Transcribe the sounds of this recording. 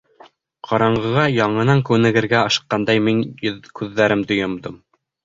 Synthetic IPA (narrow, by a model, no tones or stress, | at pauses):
qʰɑɾɑɴɢɤ̆ʁɑjɑɴɤ̆nɑŋkʉnɘ̆ɡɘ̆ɾɡæɑʃɤ̥̆qːɑnd̪ɑjmiŋkʉðːæɾɘmd̪ŏjŏmd̪ɤm